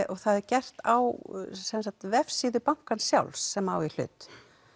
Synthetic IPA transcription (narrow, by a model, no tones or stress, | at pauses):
ʔɔɣθaðɛɾcɛr̥t̪a̰wsɛnsakt̪vɛfsiðʏpaŋ̥kansja̰wlsːɛma̰wil̥ʏ̰ːt̪